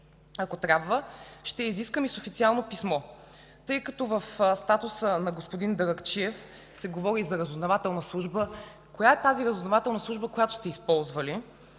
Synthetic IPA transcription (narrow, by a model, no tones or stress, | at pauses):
ɐkot̪ɾʲabvəʃt̪ɛiziskəmisofit̪sialˠnopismɔ | t̪ɤjkɐt̪ɔvəfst̪at̪usənɐɡospod̪ind̪ɐɾɐkt͡ʃiɛf | sɛɡovɔɾizɐɾɐzoznɐvat̪ɛlˠnəslˠuʒbə | kojaɛt̪aziɾəzovznɐvat̪ɛlˠnɐsˠuʒbəkojat̪o̥st̪ɛispɔlˠzvəli